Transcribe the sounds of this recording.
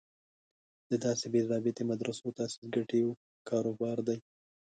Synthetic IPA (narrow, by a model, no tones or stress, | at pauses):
d̪̥əd̪ɑsebezɑbɪt̪emad̪ɾasot̪ɑsi̥sɡaʈeo | kʰɑɾobɑɾd̪aj